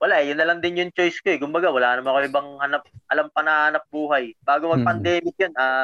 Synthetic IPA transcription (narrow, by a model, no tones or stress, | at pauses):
wɐlaʔɛjʊnːɐlɐŋd̪ɪnjʊŋt͡ʃo̞jskoʔɛkʊmbɐɡawɐlaːnɐmanɐkoʔɪbɐŋhɐnap̚ʔɐlampɐnɐhaːnɐp̚buːɦɐjb̥aːɡomɐɡ̚pɐnd̪ɛːmɪk̚jonaː